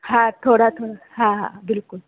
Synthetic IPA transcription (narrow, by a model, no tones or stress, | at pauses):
hãt̪ʰoɽat̪ʰoɽa | ɦãɦã̰bɪlkʊl